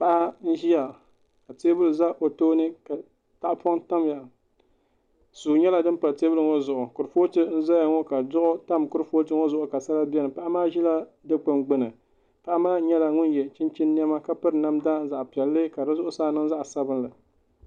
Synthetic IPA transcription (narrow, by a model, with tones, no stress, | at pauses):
pa˦ʔa˦n̩˦ʒi˦ja˨ | ka˨teː˦bʊ˦lɨ˨za˦ʔo˨toː˦nɨ˦ka˨ | ta˦ʔpɔ˦ŋta˦m˨ja˨ | suː˨ɲɛ˦la˨dɨ˦m˦pa˨teː˦bɨ˦lɨ˨ŋo˦zʊ˨ʔʊ˨kʊ˨ɾfo˦tɨ˦n̩˦za˦ja˨ŋɔ˦ka˨dʊ˦ʔʊ˦ta˦mkʊ˦ɾfoː˦tɨ˦ŋo˦zʊ˨ʔʊ˨ka˨sa˦la˦bɛ˦nɨ˨pa˦ʔa˦maː˦ʒi˦la˦dɨ˦k͡pɨ˦mɡ͡bɨ˦nɨ˨ | pa˦ʔa˦maː˦ɲɛ˦la˨ŋʊ˦njɛ˨t͡ʃɪ˦nt͡ʃi˦nː˦i˦ɛ˦ma˦ka˦pɨ˦ɾna˦mda˦n˦za˨ʔpɛ˨lːɨ˦ka˨dɨ˦zʊ˦ʔʊ˦saː˦˨nɨ˦ŋza˦ʔsa˦bɨ˦nlɨ˨